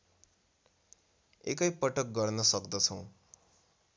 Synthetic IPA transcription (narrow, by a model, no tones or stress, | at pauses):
ḛkʌjpʌʈʌk̚ɡʌrnʌsʌkd̪ʌt͡sʰʌ̃w̃